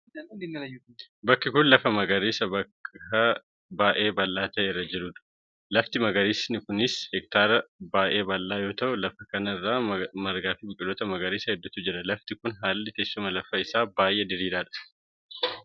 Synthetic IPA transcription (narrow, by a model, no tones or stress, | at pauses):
bɐkːɪkʊnlɐfɐmɐɡɐɾeːsɐbɐ | ɐ | baːʔe̞ːbɐlːaːt̪ɐʔerːɐd͡ʒɪɾuːᶑ̪ʊ̥ | lɐft̪ɪmɐɡɐɾiːsnɪkʊnɪshɛk̚t̪aːɾɐbaːʔe̞ːbɐlːaːjo̞ːt̪ɐʔʊlɐfɐkɐnɐɪrːaːmɐɾɡaːfɪbɪkʼɪloːt̪ɐmɐɡɐɾeːsɐhɛd̪ːʊt̪ʊd͡ʒɛᶑɐlɐft̪ɪkʊnɦaːlːɪt̪ɛsːʊmɐlɐfɐɪsaːbaːjʔeːd̪ɪɾiːd̪aːᶑɐ̥